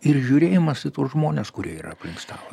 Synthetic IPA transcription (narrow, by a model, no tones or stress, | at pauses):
ɪrʒʲuɾʲeːjɪmɐsɪt̪oːsʒmoːnʲeːskʊɾʲiɛiːɾɐ̰ɐpʲlʲɪŋkst̪ɑ̰ːlˠɐ